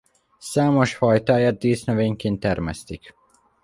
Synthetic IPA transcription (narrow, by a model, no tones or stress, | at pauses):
saːmo̞ʃfɒjt̪aːjaːt̪̚d̪iːsnøveːŋkeːnt̪ɛrmɛ̰st̪ik